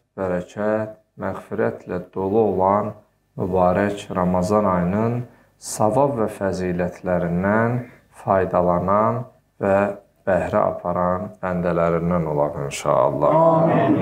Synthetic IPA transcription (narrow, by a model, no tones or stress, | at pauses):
b̥æɾæcʰæt̪̚ | mæɣfiɾæt̪ʰlæd̪̥o̞lˠuo̞lˠɑn | mybɑːɾæcʰɾɑmɑzɑnɑjnɯn | sɑvɑbvæfæziːlæt̪ʰlæɾind̪æn | fɑjd̪ɑlˠɑnɑn | væ | b̥æhɾæ̰ʔɑ̰pʰɑɾɑnbænd̪ælæɾind̪æno̞lˠɑninʃɑ̰ɑ̰lˠːɑ̰